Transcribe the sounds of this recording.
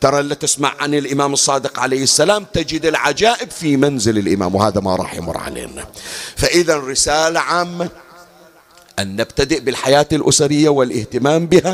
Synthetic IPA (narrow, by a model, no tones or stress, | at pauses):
t̪ɑɾˤɑʔlːat̪ɪsma̰ʕːanɪlʔɪmaːmɨsˤːɑːd̪ɪqʕalajhɪsːalaːmt̪ad͡ʒɪd̪ɪlʕad͡ʒaːʔɪbfimanzɪlɪlʔɪ̰ma̰ːmwhaːðama̰ɾˤɑ̰ːħjɪ̰mʊ̰ɾˤʕa̰lḛːnafaʔɪðanɾɪsaːlaʕaːmːa | ʔanːabt̪ad̪ɪʔbɪlħajaːt̪ɪlʔʊsaɾɪjːawɪlʔɪht̪ɪmaːmbɪha